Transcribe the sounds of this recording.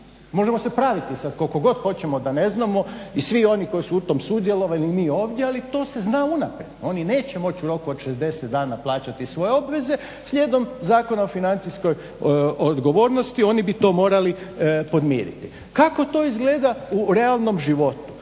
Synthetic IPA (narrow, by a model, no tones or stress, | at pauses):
mo̞ʒe̞mose̞pɾaʋit̪isad̪kokoɡo̞d̪xo̞t͡ɕe̞mo̞d̪ane̞znamo̞isʋio̞niko̞jisuut̪o̞ːmsud̪je̞lo̞ʋaliːmiːo̞ːʋd̪jealit̪o̞ːse̞znaunapɾjed̪o̞nine̞ːt͡ɕe̞mo̞t͡ɕuɾo̞kuod̪ʃezd̪e̞set̪d̪aːnaplˠaːt͡ɕat̪isʋo̞je̞o̞bʋe̞ze̞ | sʎʲeːd̪o̞mzaːko̞naofinant̪sisko̞j | od̪ɡo̞ʋo̞ːɾno̞st̪io̞ːnibit̪o̞ːmo̞ːɾalipo̞d̪mjḭːɾḭt̪i | kako̞t̪o̞ːizɡle̞ːd̪auɾe̞alˠno̞mʒiʋo̞t̪u̥